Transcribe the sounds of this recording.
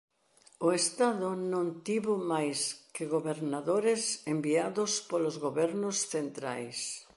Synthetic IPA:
oest̪aðʊnõnt̪iβomajskɪɣoβeɾnaðoɾesembiaðospolozɣoβɛɾnosθent̪ɾa̰js

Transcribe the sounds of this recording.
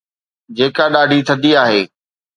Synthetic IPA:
d͡ʑeːkaɗaːɖʱit̪ʰɐd̪iaːɦeː

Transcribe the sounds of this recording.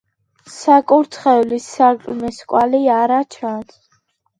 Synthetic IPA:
sakʼuɾt̪ʰχɛlisːaɾkʼmɛskʼwaliaɾat͡ʃʰant̪ʰ

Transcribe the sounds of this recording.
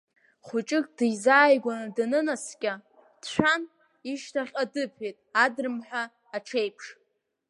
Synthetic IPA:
χʊt͡ʃʼɪkʼd̥ɨjzaːjɡʷanɨdanɨnaskʲʼa | d̥t͡ɕʷᶣan | iʃtʰaχʲʼadɨpʰejtʼadrɨmħʷᶣaː | ʈ͡ʂʰejpʰʂ

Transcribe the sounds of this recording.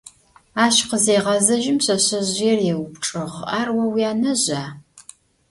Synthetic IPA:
aːɕqəzeːʁɐzɐʒɪmɕɐɕɐʑjɛrjɛwʊpʈ͡ʂʼɨʁaːrwɐwijaːnɐʑaː

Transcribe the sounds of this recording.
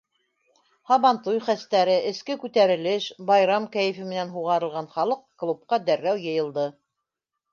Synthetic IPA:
hɑβɑnt̪ujχæst̪æɾɘʔɘ̆skɘkʉt̪æɾɘ̆lɘʃbɑjɾɑmkæjɘ̆fɘ̆mɘ̆nænɦuʁɑɾɤ̆lˠʁɑnχɑlˠɤq̚klˠup̚qɑd̪æɾːæwjɤ̆jɤ̆lˠd̪ɤ

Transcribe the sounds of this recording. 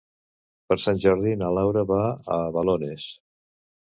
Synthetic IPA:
pəɾsanʲʒɔɾðinalawɾəβaəβalones

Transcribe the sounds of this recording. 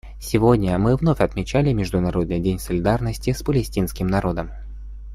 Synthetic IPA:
sʲɪvo̞dʲnʲəmɨvnofʲɐt̪mʲɪt͡ɕælʲɪmʲɪʐd̪ʊnɐɾo̞d̪nɨjdʲenʲsəlʲɪd̪arnəsʲtʲɪspəlʲɪsʲtʲinskʲɪmnɐɾo̞d̪əm

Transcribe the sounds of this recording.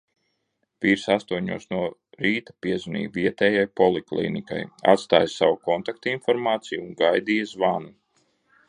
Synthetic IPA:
viːɾsast̪uɔɲṵɔsnuɔɾiːt̪ḁpiɛzunḭːviɛt̪ɛːjajpɔlˠiklˠḭːnika̰ja̰t̪st̪aːjsawukɔnt̪ak̚t̪infɔɾmaːt̪sijuːŋɡajd̪iːjazvanu

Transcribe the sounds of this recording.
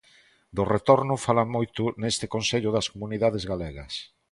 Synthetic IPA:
d̪oret̪oɾnʊfalamojt̪ʊnest̪ɪkõnseʎʊðɐskomuniðaðezɣaleɣɐs

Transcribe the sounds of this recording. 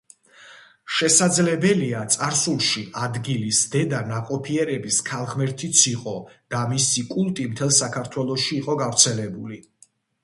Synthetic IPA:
ʃɛsad̪zlɛbɛliat̪sʼaɾsulˠʃiad̪ɡilisd̪ɛd̪anaqʼɔpʰiɛɾɛbiskʰalˠʁmɛɾt̪ʰit̪sʰiqʼɔd̪̥amisikʼulˠt̪ʼimt̪ʰɛlˠsakʰaɾt̪ʰwɛlˠɔʃiːqʼɔɡavɾt̪sʰɛlɛbuli

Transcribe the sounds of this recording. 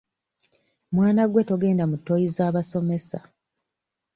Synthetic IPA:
mwaːnaɡwe̞to̞ɡe̞ːndamutːojizaːβaso̞me̞sa

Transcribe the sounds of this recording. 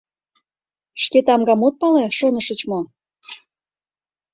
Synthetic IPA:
ʃket̪ɑmɡɑmot̪̚pɑleʃonəʃə̆t͡ɕmo

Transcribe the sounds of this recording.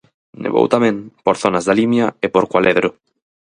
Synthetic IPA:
nḛβo̰wt̪amẽnpoɾθonazðalimjaepoɾkwalʔeðɾo

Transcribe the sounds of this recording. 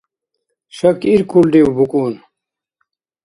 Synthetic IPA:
ɕɐkiɾkʰulɖewbukuːn

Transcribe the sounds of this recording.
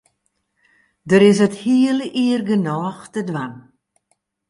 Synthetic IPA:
dəɾɪsəthiələʔiərɡənɔːxtədʋan

